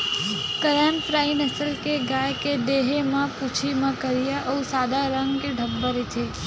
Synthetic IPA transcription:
kəɾanfɾainəsəlkeɡajked̪eɦemãput͡ʃʰimãkəɾijaʔəũsad̪ʱaɾəŋɡɡeɖʱəbːəɾit̪ʰe

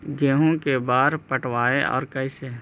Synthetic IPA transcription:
ɡeːɦõkebaːɾpəʈwaːeʔɔ̰ːɾkɐɪseː

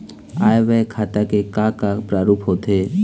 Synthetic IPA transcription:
a̰ːeʋɛkʰaːt̪akekãkapɾaːɾuːpɦot̪eː

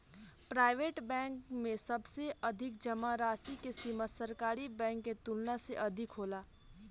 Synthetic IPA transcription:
pɾaːɪʋeːʈbɛ̃ːŋkmẽsɐbseʔɐd̪ʱɪkd͡ʒəmaɾaːsikesiməsəɾkaːɾibɛ̃ːŋkːet̪ulnaseʔɐd̪ʱɪkɦoːlaː

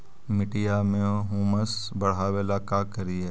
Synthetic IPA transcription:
mɪʈijamẽɦuːməsbɐɽ̤aːʋelakakɐɾie

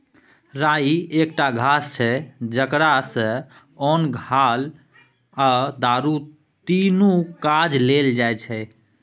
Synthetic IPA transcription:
ɾaiek̚ʈaɡʱast͡ʃʰɛd͡ʒəkɾasə̃ | onɡʱal | ad̪aɾu | t̪inukad͡ʒleld͡ʒajt͡ʃʰɛ

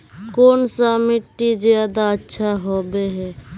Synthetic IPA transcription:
koːnsamiʈːid͡ʒjad̪aətːʃʰaɦobeɦɛ

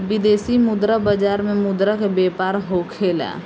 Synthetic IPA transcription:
bid̪esimʊd̪ɾəbəd͡ʒaɾmemʊd̪ɾəkbepaɾɦokʰelɛ̰

